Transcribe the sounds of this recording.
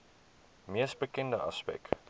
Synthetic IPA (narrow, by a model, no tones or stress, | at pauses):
miəsbəkɛndəʔɐ̰spɛ̰k